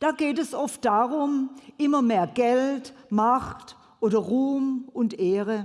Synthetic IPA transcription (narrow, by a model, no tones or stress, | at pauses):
d̥aːɡeːtɛsɔft̚d̥aːʁʊmʔɪmɐmeːɐɡ̥ɛltmaχt | ʔoːdɐʁuːmʔʊntʔeːʁə